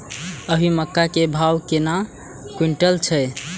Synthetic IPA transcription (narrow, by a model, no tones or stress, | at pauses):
əɦiməkːakebʱawkena | kwiɳʈəlt͡ʃʰəj